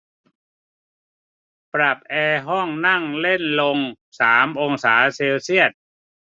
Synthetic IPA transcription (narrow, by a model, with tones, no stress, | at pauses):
pɾa˨˩p̚ʔɛː˧ɦɔ˥˩ŋna˥˩ŋle˥˩nlo˧ŋ | saː˩˦mʔo˧ŋsaː˩˦seː˧wsi˥˩ət̪̚